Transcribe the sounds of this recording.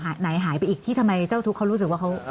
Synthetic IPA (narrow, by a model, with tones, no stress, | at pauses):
ɦaː˩˦na˩˦jɦaː˩˦jpa˧jʔiː˨˩k̚t̪ʰiː˥˩t̪ʰmːa˧jt͡ɕaː˥˩wt̪ʰu˦˥kʰːa˦˥wɾuː˦˥sɯ˨˩k̚waː˥˩kʰa˦˥w